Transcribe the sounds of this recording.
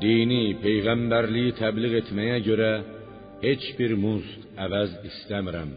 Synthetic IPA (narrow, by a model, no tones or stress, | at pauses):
d̪ijnipʰejʁambaɾlɪɡɪt̪ʰablɨʁe̞t̪ʰmajakʲʰɵɾa | he̞t͡ʃbiɾmusqavazist̪amɪɾa̰m